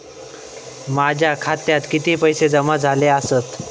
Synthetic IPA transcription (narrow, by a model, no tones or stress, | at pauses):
mad͡ʑʱjakʰat̪jat̪kit̪ipəjsed͡zəmad͡zʱaleasət̪